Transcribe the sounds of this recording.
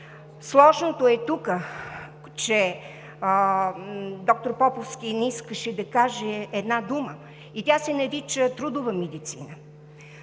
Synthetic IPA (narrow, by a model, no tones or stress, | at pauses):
slˠɔʒnot̪oɛt̪ukə | t͡ʃɛ | d̪ɔk̚t̪oɾpɔpofskʲiniskəʃɛd̪ɐkaʒɛːd̪nad̪umə | it̪ʲasɛnɐɾit͡ʃət̪ɾud̪ʊvəmɛd̪it̪sḭnə